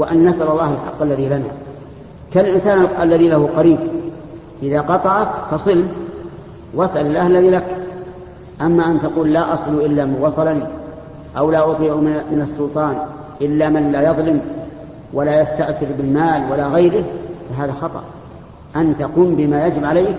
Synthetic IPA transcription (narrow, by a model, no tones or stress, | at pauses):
waʔanːasʔalɑlˤːɑːhalħɑ̰qːalːaðilana̰ | kallʔɪnsaːnalːaðilahuqɑɾiːb̚ | ʔɪðaqɑt̪ˤɑʕakfɑsˤɨl | wasʔalalʔahlanilak | ʔamːaʔant̪aquːlːaːʔɑsˤluʔɪlːamanwɑsˤɑlani | ʔawlaːʔʊt̪ˤiːʕumɪnɑsːʊlt̪ˤɑːn | ʔɪlːamɪnlaːjɑðˤlɪm | walaːjast̪aʔθɪɾbɪlmaːlwalaɣajɾɪhfaɦaːðaxɑt̪ˤɑ̰ʔ | ʔant̪aquːmbɪmaːjad͡ʒɪbʕalajk